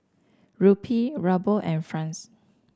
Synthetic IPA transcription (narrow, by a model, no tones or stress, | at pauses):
ɹupʰiɹabəʔɛ̃nfɹãns